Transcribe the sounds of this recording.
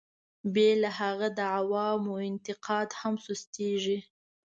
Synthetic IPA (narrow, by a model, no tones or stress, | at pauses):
belaɦaɣad̪əʕawɑmoɪnt̪ɪqʰɑd̪hamsust̪eʒi